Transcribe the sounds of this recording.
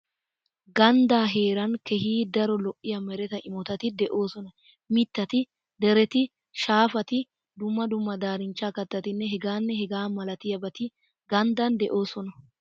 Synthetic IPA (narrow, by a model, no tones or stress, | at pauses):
ɡɐnd̪aːɦe̞ːɾɐnkɛhiːd̪ɐɾɔlɔʔɪjɐmɛɾɛt̪ɐʔɪmɔt̪ɐt̪ɪd̪ɛʔo̞ːsɔnɐ | mɪt̪ːɐt̪ɪ | d̪ɛɾɛt̪ɪ | ʃaːfɐt̪ɪ | d̪ʊmːɐd̪ʊmːɐd̪aːɾɪnt͡ʃːaːkɐt̪ːɐt̪ɪnːɛɦɛɡaːnːɛhɛɡaːmɐlɐt̪ɪjɐbɐt̪ɪ | ɡɐnd̪ɐnd̪ɛʔo̞ːsɔnɐ